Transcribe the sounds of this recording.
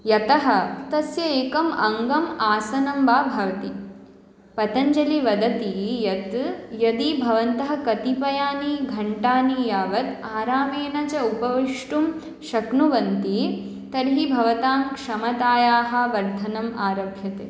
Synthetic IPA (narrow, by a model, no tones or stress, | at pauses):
jɐt̪ɐɦɐt̪ɐsjɐeːkɐmɐŋɡɐmaːsɐnɐmbaːbʱɐʋɐt̪i | pɐt̪ɐɲd͡ʒɐliʋɐd̪ɐt̪ijɐt̪jɐd̪ibʱɐʋɐnt̪ɐɦɐ̆kɐt̪ipɐjaːniɡʱɐɳʈaːnijaːʋɐt̪aːɾaːmeːnɐt͡ʃɐupɐʋiʂʈum | ʃɐknuʋɐnt̪i | t̪ɐɾɦibʱɐʋɐt̪aːmkʂɐmɐt̪aːjaːɦɐ̆ʋɐɾd̪ʱɐnɐmaːɾɐbʱjɐt̪eː